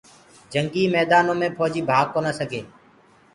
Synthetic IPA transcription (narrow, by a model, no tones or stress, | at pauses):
d͡ʒəŋɡiːmɛːd̪aːnõːmẽːpʰɔːd͡ʒiːbʱaːɡ̚koːnaːsəɡʱeː